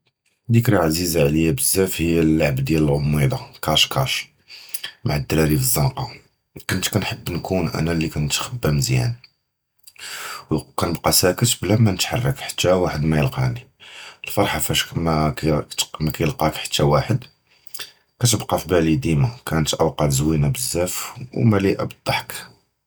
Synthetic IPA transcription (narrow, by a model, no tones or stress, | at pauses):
d̪ikɾaʕzizaʕləjːæbəzːæfhəjːælːaʕbd̪jæləlʕʊmːid̪ɑkɑʃkɑʃ | maʕad̪ːəlælifəzˤːɑnqɑ | kʊnt̪kænħəbːnkunʔæ̰nælːikænt̪xəbːæmzjæ̰n | wkænəbqɑsækət̪blæmænət̪ħɑrˤːɑkħḁt̪ːæwaħəd̪mæjəlqɑʕniəlfɑɾˤħafæʃkmækt̪mækæjəlqɑkħḁt̪ːæwaħəd̪ | kæt̪əbqɑfibælid̪imækænət̪ʔəwqɑt̪zwinæbəzːæfwmæliʔæ̰bəd̪ˤːɑħk